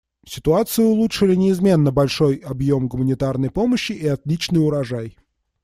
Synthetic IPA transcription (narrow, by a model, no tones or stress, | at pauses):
sʲɪt̪ʊat̪sɨjʊʊlˠutʂɨlʲɪnʲɪɪzmʲe̞nːəbɐlʲʂo̞jɐbjo̞mɡʊmənʲɪt̪arnəjpo̞məɕːɪʔɪɐt̪lʲit͡ɕnɨjʊɾɐʐaj